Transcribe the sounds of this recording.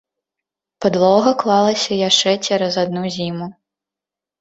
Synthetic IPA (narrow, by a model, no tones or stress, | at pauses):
pɐd̪lˠɔɣɐklˠalˠɐsʲɐjaʂt͡ʂɛt͡sʲɛɾɐzad̪nuzʲimu